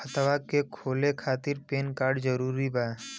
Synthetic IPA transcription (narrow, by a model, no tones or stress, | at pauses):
ət̪ʋakekʰoːlekʰaːt̪ɪɾpeːnkaːɾɖd͡ʒəɾuːɾiba